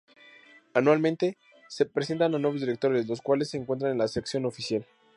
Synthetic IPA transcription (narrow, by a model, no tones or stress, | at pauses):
anwalmẽnt̪e̞ | se̞pɾes̬e̞nt̪ananwe̞βozðiɾe̞k̚t̪o̞ɾezlo̞skwalesːe̞ːŋkwe̞nt̪ɾanenlaseksjo̞no̞fisjal